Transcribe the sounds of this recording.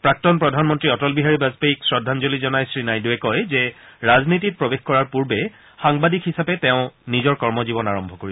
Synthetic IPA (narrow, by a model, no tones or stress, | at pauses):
pɹak̚tɔnpɹɔdʱanmɔntɹiɔtɔlbiɦaɹibazpaiksɹɔdʱanzolizɔnajsɹinajduɛkɔjzɛɹaznitit̚pɹɔbexkɔɹaɹpuɹbɛ | xaŋbadikhisapɛtɛʊ̃nizɔɹkɔɹmɔzibɔnaɹɔmbʱɔkoɹi